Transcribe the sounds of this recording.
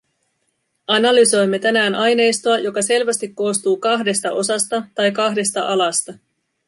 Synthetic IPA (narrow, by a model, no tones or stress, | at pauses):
ɑnɑlyso̞jmːe̞t̪ænæːnɑjne̞jst̪oɑjo̞kɑse̞lʋæst̪ikːo̞ːst̪uːkɑɦde̞st̪ɑʔo̞sɑst̪ɑt̪ɑjkɑɦde̞st̪ɑʔɑlɑst̪ɑ